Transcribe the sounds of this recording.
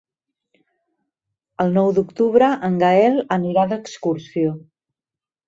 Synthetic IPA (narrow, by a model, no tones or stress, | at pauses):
əlˠnɔwd̪ukt̪uβɾəʔəŋɡəɛləniɾaðəkskursio